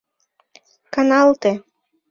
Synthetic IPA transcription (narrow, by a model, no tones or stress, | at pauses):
kɑnɑlˠt̪e